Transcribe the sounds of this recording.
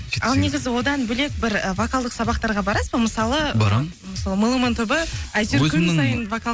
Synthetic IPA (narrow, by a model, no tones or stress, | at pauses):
ɑlˠne̞ɡʲɪzɪwo̞d̪ɑnbɵle̞k̚bɪɾəvakalˠd̪əqsɑbɑq̚t̪ɑɾʁɑbɑɾɑsbəməsɑlˠəb̰ɾ | məsɑlˠəməlˠəmənt̪ʰʊbəɑjt̪ensɑjənvaka